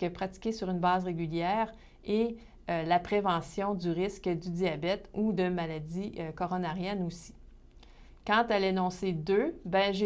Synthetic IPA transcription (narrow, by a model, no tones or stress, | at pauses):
kəpχatt͡si̥kʲesyʁynbɑːzʁeɡʲyljɛːʁ | e | ølapʁevɑ̃sjɔ̃d̪yʁɪskʲəd̪yd̪iabɛt̪ud̪əmaladd͡z̪iøkɔʁɔnaʁjɛnosi̥ | kɑ̃t̪alenɔ̃sed̪øbɛ̃ʒ